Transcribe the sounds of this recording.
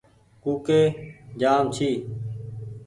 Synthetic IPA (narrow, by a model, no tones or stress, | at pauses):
kuːkeːd͡ʒaːmt͡ʃʰiː